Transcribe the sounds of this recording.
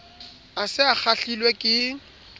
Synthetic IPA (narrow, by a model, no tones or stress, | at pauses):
asɪak͡xʰaɬilwekʼɪ